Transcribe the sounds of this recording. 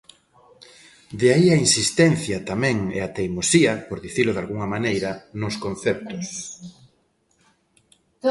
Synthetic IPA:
d̪eaiainsist̪ɛnθjɐt̪amɛ̃ŋḛat̪ejmosiɐpoɾðiθilʊðalɣuŋɐmanejɾɐnʊskon̟θɛp̚t̪ʊs

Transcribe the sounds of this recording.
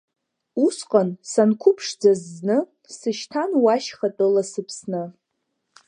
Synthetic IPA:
usqʼansankʷʰʊpʰʂd͡zaznɨ | sɨʃtʰanwaʃχatʼɨlasɨpʰsnɨ

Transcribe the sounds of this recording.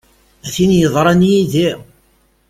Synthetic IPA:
æθinjəðˤɾˤɑnjiði

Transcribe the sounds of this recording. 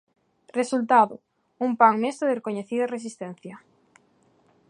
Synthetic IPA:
result̪aðʊ | umpaŋmest̪ɾʊðerekoɲeθiðɐresist̪en̟θjɐ

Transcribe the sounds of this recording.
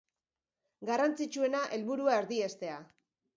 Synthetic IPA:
ɡarant͡sit͡ʃue̞naʔe̞lβuɾuae̞ɾðie̞st̪e̞a

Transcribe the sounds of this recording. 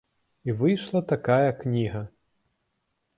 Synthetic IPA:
ivɨjʂlˠɐt̪akajɐknʲiɣɐ

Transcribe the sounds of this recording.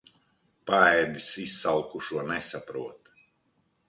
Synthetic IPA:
paɛd̪isisːalˠkuʃuɔnɛsapɾuɔt̪

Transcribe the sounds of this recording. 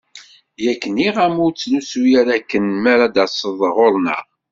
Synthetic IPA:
jækːəniʁæmʊɾt͡sːlusujæɾækːənmæɾad̪æsˤəðˤʁoɾˤnæ̰

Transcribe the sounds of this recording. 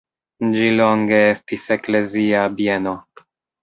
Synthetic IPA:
d͡ʒiloŋɡe̞estise̞kle̞ziabjeno̞

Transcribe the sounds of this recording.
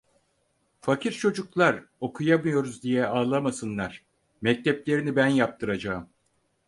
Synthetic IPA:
facʰiɾt͡ʃʰo̞d͡ʒuklˠaɾo̞kʰujamɯjo̞ɾuzd̪ijɛaːlˠamasɯnlˠaɾ̥ | mɛc̚t̪ʰɛplʲe̞ɾinibænjap̚t̪ʰɯɾad͡ʒaːɯm

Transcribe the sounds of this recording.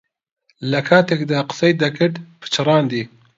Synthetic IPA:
lɐkʰaːt̪ekd̪aqɨ̥sɐjd̪ɐkɨɾd̪pʰɨ̥t͡ʃʰɨɾɑːnd̪iː

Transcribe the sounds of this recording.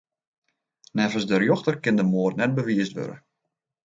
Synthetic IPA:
nɛvəsdərjoxtərkɪndəmoːrtnɛt̚bəʋiəstʋø̰ɾə̰

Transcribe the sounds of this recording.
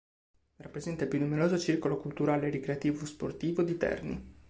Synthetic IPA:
rapːɾezɛnt̪aipjunːumeɾoːzot͡ʃirkolokult̪uɾaːleɾikɾeat̪iːvospo̰rt̪iːvod̪it̪ɛ̰rnḭ

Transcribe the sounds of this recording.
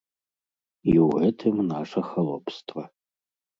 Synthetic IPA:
jiwʕɛtʰɨmnaːʂɐxɐlopʰstʰʼvɐ

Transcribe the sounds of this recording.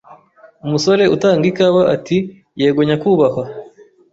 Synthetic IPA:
umuso̞ɾe̞ʔutaːŋɡikaβaʔati | jeːɡoɲakuːβaha

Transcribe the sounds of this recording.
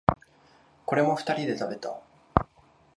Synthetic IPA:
ko̞ɾe̞mo̞ɸɯ̥t̪aɾʲid̪e̞t̪abe̞t̪a̰

